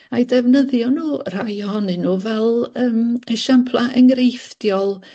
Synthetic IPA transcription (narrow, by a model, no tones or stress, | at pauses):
ajdɛvnəðjɔnuːr̥ajɔhɔnɨnuːvɛlˠəːməʃampʰlˠaʔəŋɾejfd̥jɔlˠ